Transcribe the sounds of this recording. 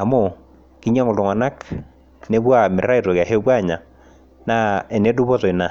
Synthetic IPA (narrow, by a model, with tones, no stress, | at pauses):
a˨mo˦˨ | ki˦ɲ˦a˦ŋʊ˨lɔ˨ŋa˨na˦k | ne˦bwa˦˨mɪ˨a˦i˨ɾo˨ka˨ɦe˦bwa˦˨ɲa˨ | na˦ɛ˨ne˦du˦bɔ˦tɔ˨i˨na˨